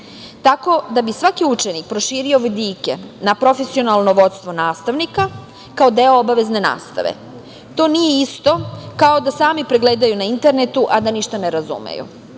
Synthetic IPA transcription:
t̪ako̞d̪abisʋakiut͡ʃenik̚pɾoʃiːɾio̞ʋd̪iːke̞̰napɾo̞fe̞sio̞nalˠno̞ʋo̞t̪st̪ʋo̞naːst̪aʋnika | kaod̪e̞oobaʋe̞zne̞na̰ːst̪a̰ʋḛ | t̪o̞ːnijeist̪o̞kao̞d̪asaːmipɾeɡleːd̪ajunaint̪e̞ɾnet̪uʔad̪aniʃt̪aneɾazṵmḛjṵ

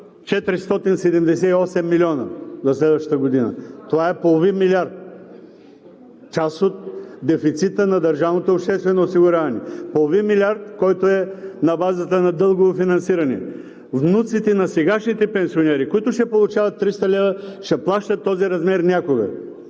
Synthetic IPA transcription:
t͡ʃɛt̪ɾist̪ɔt̪insɛd̪ɛmd̪ɛsɛiɔsɛmːilʲiɔnə̰zɐslɛd̪vəʃt̪ə̥t̪əɡod̪inə̰t̪ovaɛpolˠovinmiliaɾt̪̚ | t͡ʃasot̪d̪ɛfit̪sit̪ənɐd̪ɐɾʒavnot̪oːpʃt̪ɛst̪vɛnoːsiɡʊɾʲavɐnɛpolˠovinmilʲiaɾt̪kɔjt̪oɛnɐbazət̪ənɐd̪ɤlˠɡoofinɐnsiɾɐnɛ̰ | vnut̪sit̪ɛnɐsɛɡaʃnit̪ɛpɛnsʲionɛɾikoit̪ʊʃɛpolˠʊt͡ʃavɐt̪ːɾist̪ɐlʲɛvəʃɛplˠaʃt̪ət̪ːɔziɾɐzmɛɾnʲakoɡə̰

